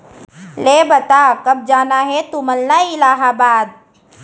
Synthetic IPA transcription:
leːbət̪aːkɐb̚d͡ʒaːnaɦɛt̪uməlnaɪlaːɦaːbaːd̪̚

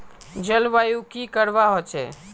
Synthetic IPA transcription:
d͡ʒəlʋajukikəɾʋaɦot͡ʃɛ̰

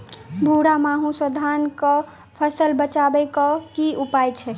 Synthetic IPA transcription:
bʱuɽamaɦũsəd̪ʱankɔ | pʰəsəlbət͡ʃabɛkɔkiupajt͡ʃʰɛ

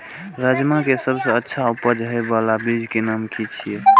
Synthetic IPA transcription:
ɾəd͡ʒmakesəbsə̃ətːʃʰaupəd͡ʒɦebalabid͡ʒkenamkit͡ʃʰijɛ

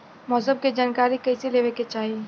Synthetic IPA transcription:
mɔːsə̃b̚ked͡ʒaːnkaːɾikɐiseleːʋeket͡ʃaːɦi

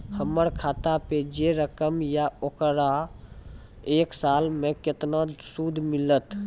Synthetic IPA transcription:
həməɾkʰat̪aped͡ʒeɾəkəmjaokɾa | eːksaːlmẽket̪nasud̪ʱmilət̪

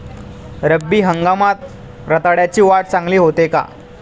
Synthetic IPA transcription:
ɾəbːiːɦəŋɡamat̪̚ | ɾət̪aɽjat͡ɕiːʋaʈ̚t͡sãŋɡliːɦot̪eka̰

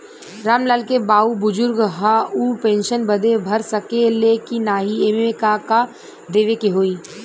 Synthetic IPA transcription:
ɾaːmlaːlkebaːubʊd͡ʒʊɾɡɦauːpẽːnʃənbəd̪ebʱɐɾsəkelekinaːɦieːmekaka | d̪eːʋekeɦoːiː

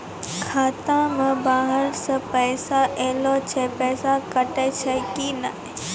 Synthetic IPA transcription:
kʰaːt̪ãmə̃baːɦəɾsəpɛːsaʔeːlot͡ʃʰepɛːsakɐʈet͡ʃʰekina

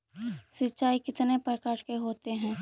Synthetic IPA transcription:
sɪtːʃaːikɪt̪nepɾəkaːɾkeɦoːt̪eɦɛ̃ː

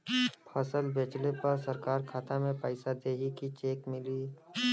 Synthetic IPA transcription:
pʰɐsəlbeːt͡ʃlepɐɾsɐɾkaːɾkʰaːt̪amẽpəɪsad̪eːɦikit͡ʃeːkmɪliː

